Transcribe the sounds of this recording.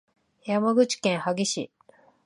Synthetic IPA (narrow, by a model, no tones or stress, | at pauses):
jamaɡɯ̟t͡ɕi̥kẽɰ̃haɡe̞ɕḭ